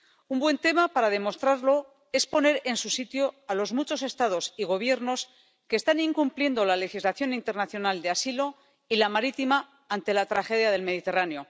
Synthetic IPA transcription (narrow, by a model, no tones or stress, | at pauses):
umbwe̞nt̪e̞mapaɾað̞e̞mo̞st̪ɾaɾlo̞ | e̞spo̞ne̞ɾe̞nsusit̪jo̞alo̞zmut͡ʃo̞se̞st̪að̞o̞siɣ̞o̞β̞je̞ɾno̞s | ke̞ːst̪anĩŋkumplje̞nd̪o̞lale̞xizlaθjo̞nint̪e̞ɾnaθjo̞nald̪easilo̞ | ilamaɾit̪ima | ant̪e̞lat̪ɾaxe̞ðjaðe̞lme̞ð̞it̪e̞raneo̞